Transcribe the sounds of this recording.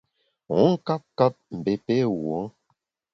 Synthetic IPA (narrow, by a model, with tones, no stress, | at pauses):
u˨˦ŋ̩˦ka˦p̚ka˦p̚m̩˨be˨pe˦wo˨˦ŋ